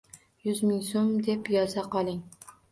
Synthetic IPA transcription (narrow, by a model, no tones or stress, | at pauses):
jʊzmɪŋsomd̪e̞pjɒzaqɒlˠɪŋ